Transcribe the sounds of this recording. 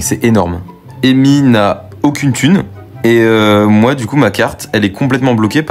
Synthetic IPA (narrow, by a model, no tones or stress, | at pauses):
sɛʔenɔʁm | emina | okʲynt̪ʰyn | eømwad̪ykumakʲaʁt̪ɛlɛkʰɔ̃plɛt̪mɑ̃blɔkʲep